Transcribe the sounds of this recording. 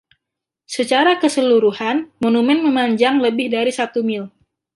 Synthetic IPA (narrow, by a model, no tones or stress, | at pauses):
sət͡ʃaɾakəsəluɾuhanmonumɛnməmaɲd͡ʒaŋləbɪhdaɾisat̪umɪl